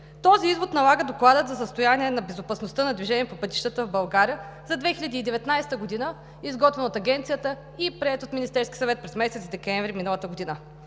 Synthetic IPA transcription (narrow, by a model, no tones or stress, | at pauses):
t̪ɔziizvot̪nɐlˠaɡəd̪oklˠad̪ət̪zɐsəst̪ojaniɛnɐbɛzopɐsnost̪ənɐd̪viʒɛniɛpopɤt̪i̥ʃt̪ət̪əvbɐlˠɡaɾijə | zɐd̪vɛxilʎʲɐd̪iːd̪ɛvɛt̪najst̪əɡod̪inə | izɡɔt̪vɛnot̪ɐɡʲɛnt̪sijət̪ə | ipɾiɛt̪ot̪minist̪ɛɾskʲi̥sɐvɛt̪̚pɾɛzmɛsɛt̪d̪ɛkɛɱvɾiminəlˠət̪əɡod̪inə